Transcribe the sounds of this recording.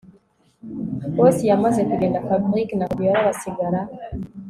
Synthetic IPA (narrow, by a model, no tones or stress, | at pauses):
wosijamazekuɡe̞ːndafabɾiknakjaɾaβasiɡaɾa